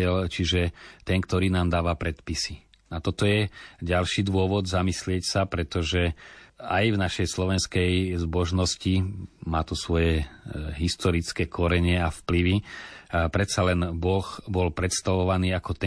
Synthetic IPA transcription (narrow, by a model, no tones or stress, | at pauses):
ɛlt͡ʃiʒɛt̪ɛŋkt̪ɔɾiːnaːmd̪aːʋapɾɛt̪pisi | nat̪ɔt̪ɔjɛɟalʃiːd̪ʋʊɔʋɔd̪zamislɪɛcsapɾɛt̪ɔʒɛajvnaʃɛjslɔʋɛnskɛjzbɔʒnɔscimaːt̪usʋɔjɛɦist̪ɔɾit͡skɛːkʰɔɾɛɲɪɛafpliʋi | pɾɛt̪salɛnbɔxbɔlpɾɛt̪st̪aʋɔʋaniːakɔt̪ɛ